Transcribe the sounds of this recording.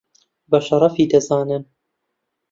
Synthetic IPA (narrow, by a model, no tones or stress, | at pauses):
bɐʃɐɾˤɑfiːd̪ɐzɑːnɨn